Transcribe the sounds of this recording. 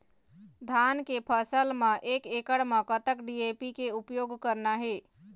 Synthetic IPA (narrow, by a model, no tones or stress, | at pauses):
d̪ʱankepʰəsəlməʔekekəɽmə̃kət̪əkɖiepikeupjoɡkəɾnaɦe